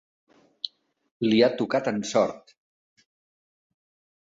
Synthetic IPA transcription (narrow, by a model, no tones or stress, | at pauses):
liat̪ukat̪ənsɔɾt̪